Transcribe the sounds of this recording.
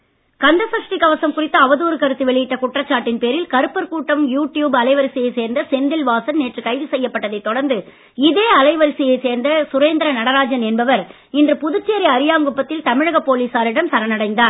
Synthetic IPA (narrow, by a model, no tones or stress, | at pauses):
kɐnd̪ɐsɐʂʈɪkɐʋɐsɐmkʊrɪt̪ːɐːʋɐðuːɾɯkɐɾɯt̪ːɯʋɛɭɪjɪʈːɐkʊʈrɐt͡ʃːaːʈːɪnpeːɾɪlkɐɾɯpːɐɾkuːʈːɐmjuːʈːjuːbɐlɐɪʋɐɾɯsɪjɐɪseːɾnd̪ɐsɛnd̪ɪlʋaːsɐnneːʈrɯkɐɪʋisɛjːɐpːɐʈːɐðɐɪt̪ːɔɽɐɾnd̪ɯ | ɪðeːɐlɐɪʋɐɾɯsɪjɐɪseːɾnd̪ɐsʊɾeːnd̪ɐɾɐnɐɽɐɾaːd͡ʒɐnɛnbɐʋɐɾ | ɪndrɯpʊðɯt͡ʃːeːɾɪɐɾɪjaːŋɡɯpːɐt̪ːɪlt̪ɐmɪɻɐɣɐpːoːliːsaːɾɪɽɐmsɐɾɐnɐɽɐɪnd̪aː